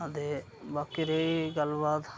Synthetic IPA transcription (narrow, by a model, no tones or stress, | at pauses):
ət̪eː | baːkiɾeiɡəlbaːd̪